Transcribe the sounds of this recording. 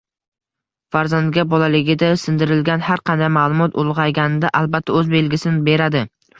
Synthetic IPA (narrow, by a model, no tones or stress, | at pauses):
faɾzand̪ɡʲabɒlalɪɡʲɪd̪asɪnd̪ɪɾɪlɡʲanhaɾqʰɑnd̪ajmaːlˠʊmɒt̪ʰʊlˠʁɑjɡʲanɪd̪aʔalˠbat̪ʰːaɵzbe̞lɡʲɪsɪnɪbe̞ɾad̪ɪ